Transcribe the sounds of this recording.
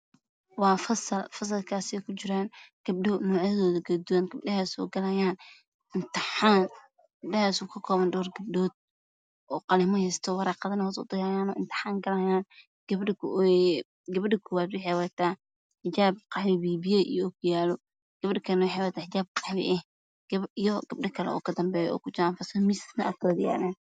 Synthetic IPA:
wɑːfɐsɐlfɐs̬ɐlkʰaːsɪɛkʰʊt͡ʃɪɾaːnɡ̥ɐb̚ɖɔnɔːʕjɐðɔːðɐɡɐd̪ʊwanɡɐb̚ɖɐhaːsɔ̰ːɡɐlɐjaːn | ɪnt̪ɪħaːn | ɡɡ̥ɐbɖɐhaːsɔːkʰɐkʰɔːβɐnɖɔːrɡɐb̚ɖɔːd̪̚ | ʔɔːqɑlɪmɔhɛst̪ʰɔwɑɾɑːqɑðɐnɐhɔtʊd̪ɐjaːjaːnɔːɪnt̪ʰɪ̥ħaːŋɡɐlɐjaːn | ɡ̥ɐbɖɪkʰ | ɡɐbɖɪkʰʊwabɪħɛwat̪ʰaː | ħɪd͡ʒaːb̚qʰɑħwɪbiːbɪjɛʔijɔɔːkʰʊjaːlɔ | ɡ̥ɐβɖɐkʰɐnɐwʊħɛwɐt̪ʰaːħɪd͡ʒaːb̚qʰɑħwɪ̰ʔɛh | ɡɐijɔɡ̥ɐb̚ɖɐkʰɐlɛ̰ɔ̰ːkʰɐd̪ɐmbɛːjɔ̰ɔ̰ːkʰʊt͡ʃɐanfɐsɐmɪsnɐʔa̰kʰɐwd̪ja̰ːɾɛːn

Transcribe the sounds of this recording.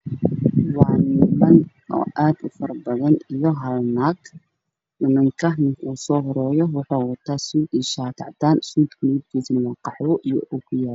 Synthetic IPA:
wɑʕnɪmɐn | ʔɔ̰ːʔaːd̪ʊfɐrbɐðɐnijɔɦɐlnaːɡ | mɪmɪŋkʰɐnɪŋkʰuːsɔːɦɔɾɛːjɔwʊħoːwɐt̪ʰaːsuːd̪iːʃaːt̪ʰɑʕt̪ʰaːnsuːd̪kʰʊnːd̪kʰiːsɪnwɑqɑħwʊʔijɔ̰ʔukʰʊjaːl

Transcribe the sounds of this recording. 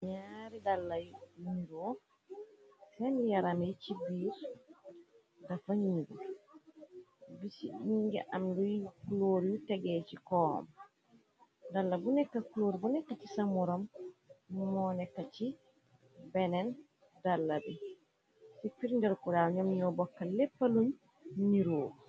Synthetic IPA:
ɲaɾidalːajumiɾɔ | sɛndijaɾamɛt͡ʃibiɾ | dafaɲiɡɔ̰ | bisiiŋɡɛ̰ʔamdujkuloɾjutɛɡɛt͡ʃikɔ̰ːma | dalːabunɛkːakuloɾibunɛkːat͡ʃisamɔɾɔmː | ɔnɛkːat͡ʃi | bɛnɛn | dalːabɛ | sifiɾndɛɾkuɾaɲɔmɲɔbɔkːalɛpːalun | ɲiɾoːɾu

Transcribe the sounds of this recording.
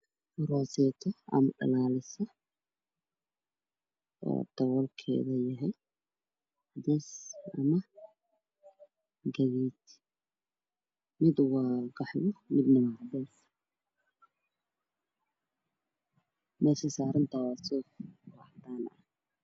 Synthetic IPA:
rɔsɛːt̪ʰɐɐ̰mɐɖɐ̰laːlɪsɐ | ɔ̰ːd̪̥ɐwɔlkʰɛ̰ːðɐjɐɦɛj | d̪ɛsɐmɐ | ɡɐɣiːt̪ʰ | mɪd̪wɑːɡɑħlɔmɪd̪nɐmɐd̪ɛːs | mɛːsɐsaːɾɐnt̪ʰawɑsɔwɑħd̪aːnɐ̰h

